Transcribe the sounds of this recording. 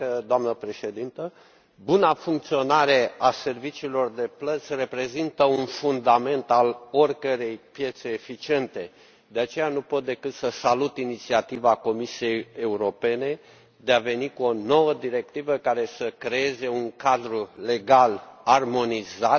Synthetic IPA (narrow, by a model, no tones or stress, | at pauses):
d̪oamnəpɾe̞ʃe̞d̪int̪ə | bunafuŋk̚t̪sio̞naɾe̞ase̞rvit͡ʃiːlo̞rd̪e̞plət̪sʲre̞pɾe̞zint̪əunfund̪ame̞nt̪alorkəɾe̞jpje̞t̪se̞ːfit͡ʃie̞nt̪e̞ | d̪e̞at͡ʃe̞janupo̞t̪̚d̪e̞kɨt̪səsalut̪init̪siat̪ivako̞misije̞je̞uɾo̞pe̞ne̞ | d̪e̞ave̞nikuo̞no̞wəd̪iɾe̞k̚t̪ivəkaɾe̞səkɾe̞e̞ze̞uŋkad̪ɾule̞ɡalarmo̞nizat̪̚